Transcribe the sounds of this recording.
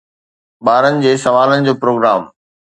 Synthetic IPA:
ɓaːɾənɪ̆d͡ʑeːsɐʋaːlənɪ̆d͡ʑoːpɾoːɡɾaːm

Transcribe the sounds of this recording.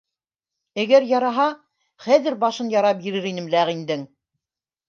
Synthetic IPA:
æɡæɾjɑɾɑɦɑ | χæðɘɾbɑʃɤnjɑɾɑp̚iɾɘɾinɘ̆mlæʁind̪ɘŋ

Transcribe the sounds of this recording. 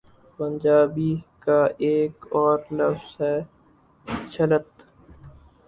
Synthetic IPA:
pə̃nd͡ʒaːbikaeːkɔːɾnɐfsɦɛ | t͡ʃʰələt̪

